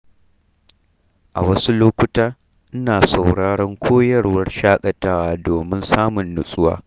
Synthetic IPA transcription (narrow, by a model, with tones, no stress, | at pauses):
ʔa˨wɐ˦su˦loː˦kʷʊ˦taː˦ | ʔɪ˦naː˨sa˨wɽaː˦ɽɐ˦ŋkʷʰoː˦jɐ˦rwɐ˦rʃaː˦kʼɐ˨taː˦waː˦doː˨mɪ˦nsaː˦mʊ˨nːʊ˨sʼʊ˦wa̰ː˦